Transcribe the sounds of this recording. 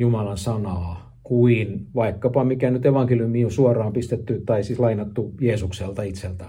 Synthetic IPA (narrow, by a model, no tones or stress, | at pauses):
jumɑlɑnsɑnɑː | kuinʋɑikːɑpɑmikænyt̪eʋɑŋkeljumiːosuorˑɑːmpist̪et̪ːyt̪ɑisislɑinɑt̪ːujeːsukselt̪ɑit̪selt̪æ